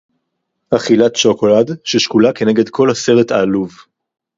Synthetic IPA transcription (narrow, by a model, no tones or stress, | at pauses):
haχilatʃokoladʃeʃkulake̞neɡe̞dkʰo̞lhase̞ʁetaːluv